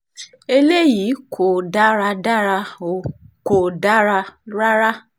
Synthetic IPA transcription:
e˧le˦ji˨˦kʰo˨da˦ɾa˧da˦ɾa˧o˨ko˨da˦ɾa˧ɾa˦ɾa˦

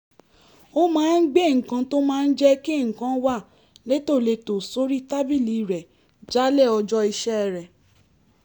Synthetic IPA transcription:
o˦mãː˦n̩˦ɡ͡be˦˨ŋ̩˨kã˧to˦mãː˦˧n̩˦d͡ʒɛ˦ki˦˨ŋ̩˨kã˨˦wa˦˨ | le˨˦to˦˨le˧to˨so˦ɾi˦ta˦bi˦˨li˨ɾɛ˨ | d͡ʒa˨˦lɛ˦˨ɔ˧d͡ʒɔ˦i˧ʃɛ˦ɛ˧˨ɾɛ˨

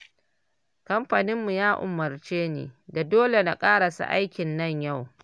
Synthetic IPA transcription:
kɐ˦mɸa˨nɪ˦mːu˨jaː˦ʔʊ̰˨mːɐ˨rt͡ʃeː˦nḛː˨da˨doː˦le˨na˨kʼaː˦ɽa˨sṵ˦˨ʔa̰˦jkʲɪ˨nːɐ˦ɲja˦˨w

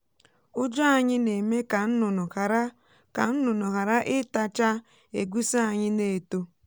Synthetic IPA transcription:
ʊ˦d͡ʒɔ˦a˨ɲɪ˦ne˨me˦ka˨n̩˦nʊ˨ɾa˦ | ka˨n̩˦nʊ˨nɔ˨ka˨ɾa˦ʔɪ˦ta˦t͡ʃa˦ | ḛ˨ɡʷu˦sa˦a˨ɲɪ˦ne˦˨to˦

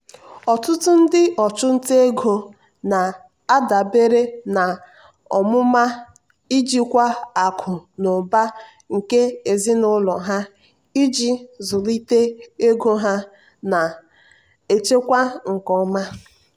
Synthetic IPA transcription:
ɔ˨tʊ˦tʊ˦n̩˦dɪ˦ʔɔ˨t͡ʃʊ˦n̩˦te˦e˦ɡʱo˨ | na˨ | a˦da˨be˦ɾe˦na˨ | ɔ̰˨mʊ˦ma˦ | i˦d͡ʒi˦kʷa˦a˨kʰʊ˨nʊ˨ba˦ | ŋ̩˨ke˦e˨zɪ˦nʊ˦lɔ˨ɦa˦ | i˦d͡ʒi˦zʊ˨li˦te˦e˦ɡo˦ɦa˦ | na˨ | e˨t͡ʃe˦kʷa˦ŋ̩˨kɔ˦ma˦

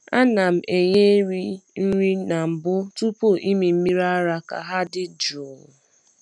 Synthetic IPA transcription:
a˦na˨m̩˨ʔe˨ɲe˦ɾi˦n̩˦ɾi˦na˨m̩˨bʊ˦tu˦po˦˨ʔi˦mi˨m̩˦mi˦ɾa˦ɾa˦ka̰˨ɦa˦dɪ˦d͡ʒu˨

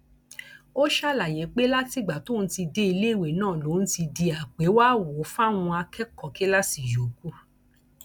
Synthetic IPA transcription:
o˦ʃa˦˨la˨j̃ɛ̃˨˦k͡pe˦la˦ti˦˨ɡ͡ba˨to˦˨n̩˦ti˧de˦i˧le˦˨we˨nãː˦˨lo˨˦n̩˦ti˧di˧a˨k͡pe˨˦waː˦wo˨˦fa˦˨w̃ũ˧a˧kʰɛ˦kɔ˨ke˦la˦si˦˨jo˨ku˦

